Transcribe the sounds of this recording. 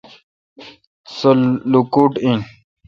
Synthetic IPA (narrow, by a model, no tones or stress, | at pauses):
sollukuʈĩ